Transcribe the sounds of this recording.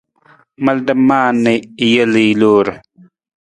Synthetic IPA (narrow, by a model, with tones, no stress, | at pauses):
mɐ˦ldə˦mːaː˦nːi˨jə˦li˨lo˦ɾ